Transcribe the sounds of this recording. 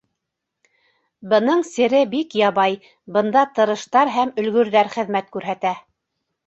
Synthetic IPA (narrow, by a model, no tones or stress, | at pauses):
bɤ̆nɤɴsɘ̆ɾɘbikjɑβɑj | bɤ̆nd̪ɑt̪ɤ̆ɾɤ̆ʃt̪ɑɾɦæmɵ̆lɡɵ̆ɾðæɾχɘ̆ðmæt̪kʉɾɦæt̪æ